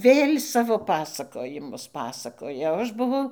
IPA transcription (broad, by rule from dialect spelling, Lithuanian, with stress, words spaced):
ˈʋʲeːlʲ ˈsɑːʋoː ˈpɑːsɐkoːjɪmʊs ˈpɑːsɐkoːjɛ oː ˈɐʃ bʊˈʋɐʊ